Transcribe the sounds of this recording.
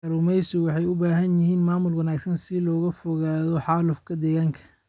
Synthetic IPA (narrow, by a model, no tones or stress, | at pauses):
ɐɾʊmɛjsɪwɑħɑjʊbaːɦɐnjɪɦiːnmaːmʊlwɐnaːɡsɐnsɪlɔːɣɐfɔɣaːðɔħɑːlʊfkʰɐd̪ɛːɣaːŋkʰɐ̥